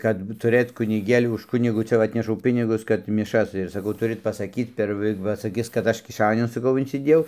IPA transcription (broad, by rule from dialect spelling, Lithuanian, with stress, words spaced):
kɐt ˈbuːt tʊˈrɘt kʊnʲɪˈɡʲeːlʲʊ ʊʃ ˈkʊnʲɪɡʊ ˈt͡sʲɛ ʋɐ ˈɑːtʲnʲɛʃɐʊ ˈpʲɪnʲɪɡʊs kɐt mʲɪˈʃɐs ɪr sɐˈkɐʊ ˈtʊrɨt pɐsɐˈkʲiːt pʲɛr ˈʋɐ ˈʋɐ sɐˈkʲɪs kɐt ˈɐʃ kʲɪˈʃɑːnʲʊn sɐˈkɐʊ ɪnʲsʲɪˈdʲeːjɛʊ